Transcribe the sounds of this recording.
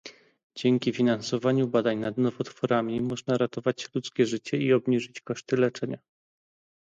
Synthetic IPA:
d͡ʑɛŋkʲifʲinansɔvaɲubad̪aɲnad̪nɔvɔt̪fɔɾamʲimɔʐnaɾat̪ɔvat͡ɕlut̪skʲɛʐɘt͡ɕɛiɔbɲiʐɘt͡ɕkɔʂt̪ɘlɛt͡ʂɛɲa

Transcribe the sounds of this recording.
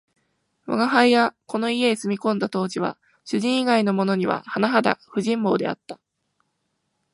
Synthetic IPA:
βa̰ɡaɦaijako̞no̞ie̞sɨmʲikõ̞nd̪at̪o̞ːʑiβa̰ | ɕɨʑĩɰ̃iɡaino̞mo̞no̞ɲ̟iβa̰hanaɦad̪a̰ɸɯ̟ʑĩmbo̞ːd̪e̞̰a̰t̪ːḁ

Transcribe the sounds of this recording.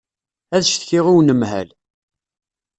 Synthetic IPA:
æðʃθçɪʁiwnəmhæ̰l

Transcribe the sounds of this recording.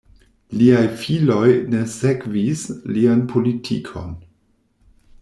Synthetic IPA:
liajfilo̞jne̞se̞kvislianpʰolitʰḭkʰo̞̰n

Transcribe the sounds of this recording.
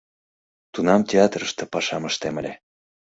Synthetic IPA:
t̪unɑmt̪ʲeɑt̪rəʃt̪ĕpɑʃɑməʃt̪eməlʲe

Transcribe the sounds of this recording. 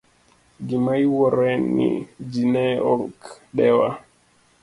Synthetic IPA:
ɡimajwɔɾɛnːḭd͡ʒinɛɔlk | ɗɛwa

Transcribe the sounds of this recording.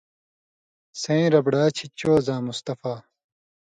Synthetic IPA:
sẽːɾɐbɖaːt͡ɕʰit͡ɕoːzãːmust̪ɐfaː

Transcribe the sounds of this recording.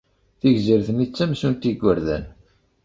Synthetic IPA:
θiʝziɾθənit͡sːæmsunt̪iɡʷːəɾðæ̰n

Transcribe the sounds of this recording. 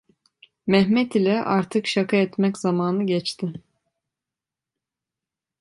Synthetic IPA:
mɛɦmɛt̪ilʲɛʔaɾt̪ʰɯkʃakʰaɛt̪mɛcz̥amaːnɯɟɛt͡ʃt̪ʰɪ

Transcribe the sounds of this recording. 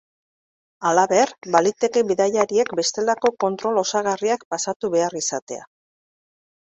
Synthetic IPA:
alaβe̞rbalit̪e̞ke̞βiðaʎaɾie̞kbe̞st̪e̞lako̞ko̞nt̪ɾo̞lo̞saɣariak̚pasat̪uβe̞arisat̪e̞a̰

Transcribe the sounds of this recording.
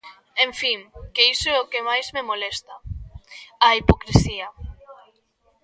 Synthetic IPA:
ẽɱfiŋkeiseokemajzmemolest̪a | aipokɾesia

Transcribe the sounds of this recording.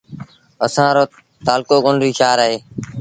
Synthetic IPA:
əsãːɾoː | t̪aːlkoːkʊnɾiːʃaːɾaɦeː

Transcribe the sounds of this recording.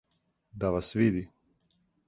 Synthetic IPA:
d̪aʋasʋid̪i

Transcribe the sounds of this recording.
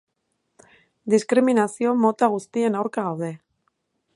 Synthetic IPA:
d̪iskɾiminasio̞mo̞t̪aɣ̞ust̪ie̞nawɾkaɣawðe̞

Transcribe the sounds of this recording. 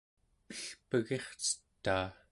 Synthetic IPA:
əɬpəɣe̞χt͡sə̥t̪ːaː

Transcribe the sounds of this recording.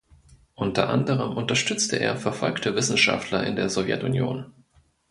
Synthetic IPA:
ʔʊntɐ̰ʔa̰ndəʁ̞əmʔʊntɐʃtʏt͡stʰəʔḛːɐfɛɐfɔlktʰəvɪsn̩ʃa̰ftʰlɐʔɪ̰ndeːɐzɔvjɛ̰tʊnjo̰ːn

